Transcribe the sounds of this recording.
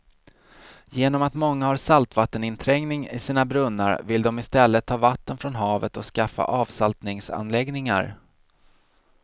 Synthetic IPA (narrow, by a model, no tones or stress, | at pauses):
jeːnɔmat̪mɔŋːahaɾsalt̪vat̪ːənɪnt̪ʰɾɛŋnɪŋɪsiːnabɾɵnːa̰ɾvɪld̪ɔmɪst̪ɛlːət̪ʰːɑːvat̪ːənfɾɔnɦɑːvət̪ɔskafːa̰ʔɑːvsalt̪nɪŋsa̰nlɛɡnɪŋa̰ɾ